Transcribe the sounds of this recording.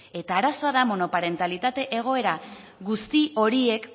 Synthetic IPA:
e̞t̪aːɾaso̞aðamo̞no̞paɾe̞nt̪alit̪at̪e̞ʔeɣ̞o̞e̞ɾa | ɡust̪io̞ɾie̞k

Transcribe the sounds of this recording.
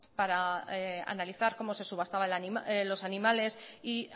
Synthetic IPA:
paɾaea̰naliθaɾko̞mo̞se̞suβast̪aβaelanilo̞sanĩmale̞si

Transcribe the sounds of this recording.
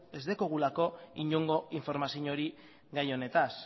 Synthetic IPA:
e̞zðekoɣ̞ulako̞iɲoŋɡo̞iɱfo̞ɾmasiɲo̞ɾi | ɣajo̞ne̞t̪as

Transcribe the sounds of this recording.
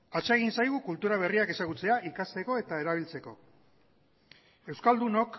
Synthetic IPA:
at͡ʃeeɣ̞insajɣukult̪uɾaβ̞e̞riake̞saɣut͡se̞aʔikast̪e̞ko̞e̞t̪ae̞ɾaβ̞ilt͡se̞ko̞ | e̞wskald̪uno̞k

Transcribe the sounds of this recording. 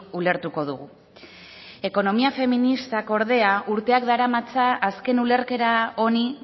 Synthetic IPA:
ule̞ɾt̪uko̞ðuɣu | e̞ko̞no̞miafe̞minist̪ako̞ɾðe̞aʔuɾt̪e̞akd̪aɾamat͡saʔːske̞nule̞ɾke̞ɾao̞ni

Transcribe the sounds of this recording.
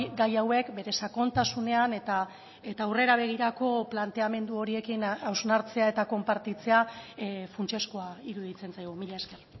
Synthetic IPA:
ɡajawe̞kbe̞ɾe̞sako̞nt̪asune̞ane̞t̪a | e̞t̪aːwre̞ɾaβ̞e̞ɣ̞iɾako̞plant̪e̞ame̞nd̪uo̞ɾie̞kinawznaɾt͡se̞ae̞t̪ako̞mpaɾt̪it͡se̞afunt͡ʃe̞skoaiɾuðit͡se̞nt͡sajɣ̞umiʎaeske̞r

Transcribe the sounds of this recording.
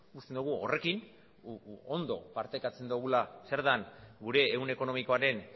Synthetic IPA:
ust̪e̞nd̪uɣ̞uo̞̰re̞kin | ond̪o̞̰paɾt̪ajkat͡se̞nd̪uɣulase̞ɾðanɡuɾe̞ːune̞ko̞no̞miko̞aɾe̞n

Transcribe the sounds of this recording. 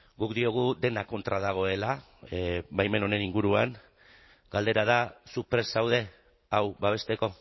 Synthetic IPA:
ɡukd̪io̞ɣ̞ud̪e̞nako̞nt̪ɾað̞aɣ̞o̞e̞la | bajme̞no̞ne̞niŋɡuɾuaŋ | ɡ̥ald̪e̞ɾað̞asupɾesawð̞e̞ | awbaβ̞e̞st̪e̞ko̞

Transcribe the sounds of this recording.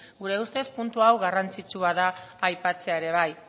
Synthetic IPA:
ɡuɾe̞ust̪e̞spunt̪uawɣarant͡sit͡suaðaːjpat͡se̞aeɾe̞β̞aj

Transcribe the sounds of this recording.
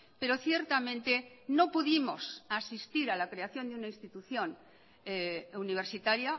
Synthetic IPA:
pe̞ɾo̞θje̞ɾt̪amẽ̞nt̪e̞nopuðimo̞sasist̪iɾalakɾeaθjo̞nd̪eunaĩnst̪it̪uθjõ̞n | uniβ̞e̞ɾsit̪aɾja

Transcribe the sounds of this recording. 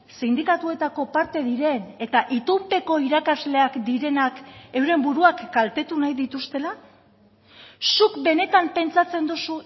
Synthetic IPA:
sind̪ikat̪ue̞t̪ako̞paɾt̪e̞ðiɾe̞ne̞t̪aʔit̪umpe̞ko̞iɾakazle̞akd̪iɾe̞nake̞wɾe̞mbuɾuakɡalt̪e̞t̪unajðit̪ust̪e̞la | sukbe̞ne̞t̪ampe̞nt͡sat͡se̞nd̪usu

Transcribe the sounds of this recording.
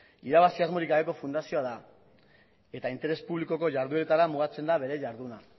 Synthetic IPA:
iɾaβasiazmo̞ɾikɡaβe̞ko̞fund̪asio̞aða | e̞t̪aint̪e̞ɾe̞spuβliko̞ko̞ʝaɾðue̞t̪aɾamuɣ̞at͡se̞nd̪aβe̞ɾe̞ʝaɾðuna

